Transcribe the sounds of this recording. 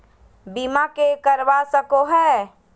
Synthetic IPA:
bimakekəɾʋasəkoɦɛː

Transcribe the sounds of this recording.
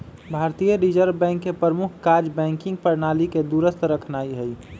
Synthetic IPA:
bʱaːɾt̪ijəɾid͡ʒəɾbɛ̃ːŋkːepɾɾəmʊkʰkaɾd͡ʒbɛ̃ːŋkɪ̃ŋɡpəɾnaːliked̪uɾəst̪ʰɾəkʰnaːiɦɛi

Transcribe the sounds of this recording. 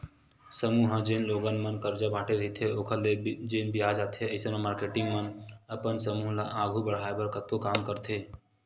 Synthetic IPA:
səmuːɦãd͡ʒenloːɡənmənkəɾd͡ʒabʱaːʈeɾəɦit̪ʰeoːkʰəled͡ʒenbijaːd͡ʒaːt̪ʰeəɪsənãmaːɾkeːʈɪ̃ŋɡmənəpənsəmuːɦlaʔaːɡʱubəɽ̤aːebəɾkət̪okaːmkəɾt̪ʰeː

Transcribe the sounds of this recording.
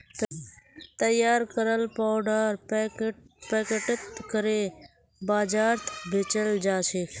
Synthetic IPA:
t̪əjaːɾkəɾəlpaːɖaːɾ | pɛːkəʈət̪kəɾeː | baːd͡ʒaːɾt̪ʰbʱɪt͡ʃəld͡ʒaːseː

